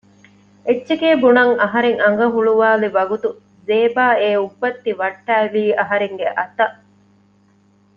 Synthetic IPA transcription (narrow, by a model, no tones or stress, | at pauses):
et͡ʃːʃekeːbunɐŋɐɦɐɾeŋɐŋ̆ɡɐɦuɭuʋaːliʋɐɡut̪u | zeːbaːeːubːɐt̪ːiʋɐʈːæːʋiːɐɦɐɾeŋɡeʔɐt̪ɐ